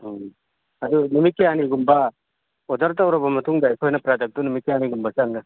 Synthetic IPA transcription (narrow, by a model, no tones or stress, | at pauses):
ɐd̪unumit̚ːejaniɡumbɐ | odɐɾtawɾɐbɐmɐtʰuŋdakʰɔjnɐpɾadek̚dunumit̚kːejaniɡumbɐsaŋnɯ